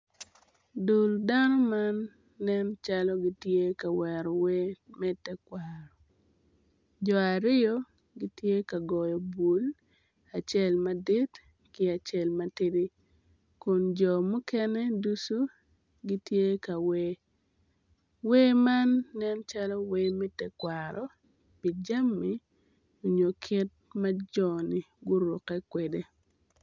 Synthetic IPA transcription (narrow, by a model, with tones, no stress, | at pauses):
du˨lda˦nɔ˦ma˦nː | ɛ˦nt͡ʃalɔ˦ɡi˦tje˦ka˨wɛ˨ɾɔ˨we˦mɛ˦tɛ˦kwa˨ɾɔ˨ | d͡ʒɔ˨a˨ɾɪ˦jɔ˦ | ɡɪ˦tje˦ka˨ɡɔ˨jɔ˨bu˨l | a˨t͡ʃɛ˦lma˦di˦t | kɪ˦a˨t͡ʃɛ˨lma˦ti˦ɾi˦ | kʊ˨nd͡ʒɔ˨mʊ˦kɛ˦nɛ˦du˦su˦ | ɡi˦tje˦ka˨we˦ | we˦ma˦nːɛ˦nt͡ʃa˦lɔ˦we˦mɛ˦tɛ˨kwaɾɔ˦ | pi˨d͡ʒa˦mːi˦ | o˨ɲo˨kʰɪ˦t̚ma˦d͡ʒɔ˨nɪ˨ | ɡʊ˦ɾʊ˨kɛ˦kwe˨de˦